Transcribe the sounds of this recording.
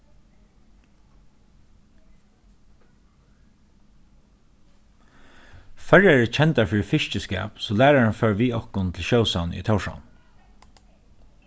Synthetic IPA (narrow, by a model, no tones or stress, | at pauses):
fœɹɛɛt͡ʃʰɛnt̪aɹfɪːɹfɪʃt͡ʃəskæ̰ːpsoːlæːɹaɹhanføːɹʋiːɔhkʊnt̪ʰɪl̩ʃoʊsaʊnʏ̰t̪ʰaʊʃa̰ʊn